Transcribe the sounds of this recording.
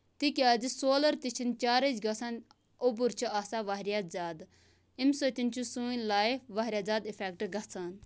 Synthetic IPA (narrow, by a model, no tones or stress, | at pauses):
t̪ikʲaːd͡zisoːlɐɾt̪it͡ʃʰint͡ʃaːɾəd͡ʒɡɐsaːn | obuɾt͡ʃʰuaːsaːʋaɦɾjazaːd̪ | imsot̪ʲint͡ʃʰusuːinʲlaːiʋaɦɾʲjaːzaːd̪ifʰeːk̚ʈɡɐsʰaːn